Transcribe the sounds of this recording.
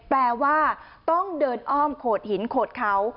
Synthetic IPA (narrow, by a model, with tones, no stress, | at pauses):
plɛː˧waː˥˩ | t̪ɔ˥˩ŋdɤː˧nʔɔː˥˩mkʰoː˨˩t̪̚hi˩˦nkʰoː˨˩t̪̚kʰa˦˥w